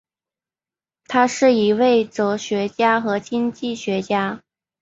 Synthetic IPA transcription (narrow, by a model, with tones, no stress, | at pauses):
t̪ʰa˥ʂɻ̩˥˩i˧˥we˥˩ɪt͡so˧˥ʊɕɥɛ˧˥t͡ɕja˥xɤ˧˥t͡ɕi˥nt͡ɕi˥˩ɕɥɛ˧˥t͡ɕja˥